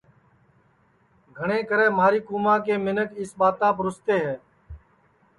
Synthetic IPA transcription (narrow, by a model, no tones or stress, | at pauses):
ɡʱəɳ̃ẽːkəɾɛːmaːɾiːkuːmãːkeːmɪnəkɪsɓaːt̪aːp̬ɾʊst̪eːɦɛː